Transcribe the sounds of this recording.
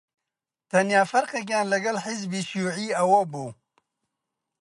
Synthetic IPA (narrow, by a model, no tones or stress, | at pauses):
t̪ɐnjaːfɐɾqek̬jaːnlɐɡɐlħɪzbiːʃuːʕiːɐwɐbuː